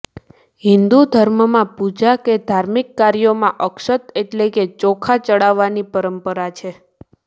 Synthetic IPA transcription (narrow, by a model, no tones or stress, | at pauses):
ɦind̪ud̪ʱəɾməmãpud͡ʒaked̪ʱaɾmikːaɾjomãʔəkʃət̪eʈleket͡ʃokʰat͡ʃəɽaʋːanipəɾəmpəɾat͡ʃʰe